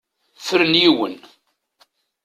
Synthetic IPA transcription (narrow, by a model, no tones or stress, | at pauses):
fəɾənjiwə̰n